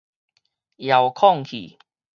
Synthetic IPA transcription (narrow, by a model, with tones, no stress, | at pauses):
ja˨wkʰɔ˥˨ŋkʰḭ˨˩